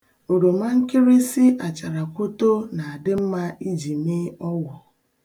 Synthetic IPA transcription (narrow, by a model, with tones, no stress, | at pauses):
o˨ɾo˨ma˦ŋ̩˦kɪ˦ɾi˦si˦ʔa˨t͡ʃa˨ɾa˨kʷo˦to˦na˨a˨dɪ˦m̩˦ma˦i˦d͡ʒi˨me˦ɔ˦wɔ˨